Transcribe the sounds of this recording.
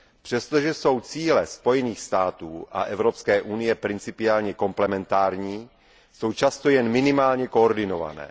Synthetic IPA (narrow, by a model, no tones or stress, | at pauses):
pr̥ɛst̪oʒɛso̞wt͡siːlɛspo̞jɛniːxst̪aːt̪uːʔa̰ʔɛvɾopskɛːʔunɪjɛpɾɪnt͡sɪpɪaːlɲɛko̞mplɛmɛnt̪aːɾɲiː | so̞wt͡ʃast̪o̞jɛnmɪnɪmaːlɲɛkoːɾdɪnova̰nɛ̰ː